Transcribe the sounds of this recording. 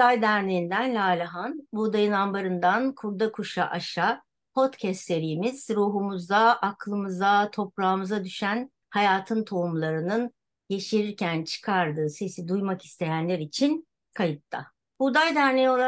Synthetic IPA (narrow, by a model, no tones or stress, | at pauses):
ajd̪æɾneind̪ænlʲaːlʲaɦanbud̪ajɯnambaɾɯnd̪ankʰuɾd̪akʰuʃaʔaʃa | pʰo̞t̪cʰɛst̪ːeɾijimiz̥ɾuːɦumuzd̪aaklˠɯmɯzat̪ʰo̞pɾaːmɯzad̪yʃæn | hajaːt̪ʰɯnt̪ʰo̞umlˠaɾɯnɯn | jeʃiɾiɾcʰænt͡ʃʰɯ̥kʰaɾd̪ɯːse̞sid̪ujmaki̥st̪ʰe̞jænlʲeɾit͡ʃʰin | kʰajɯt̪ːa | bud̪ajd̪æɾnejo̞lˠa